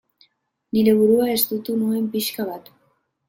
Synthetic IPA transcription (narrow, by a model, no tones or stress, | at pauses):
niɾe̞β̞uɾuae̞zt̪ut̪unue̞mpiʃkaβat̪